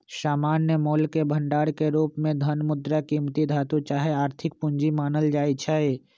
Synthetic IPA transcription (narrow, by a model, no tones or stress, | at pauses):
saːmaːnːəmoːlkebʱəɳɖaːɽkeɾuːpmẽd̪ʱənmʊd̪ɾakiːmt̪id̪ʱaːt̪ut͡ʃaːɦeaːɾt̪ʰɪk̚pʊɲd͡ʒimaːnəld͡ʒaːit͡ʃʰae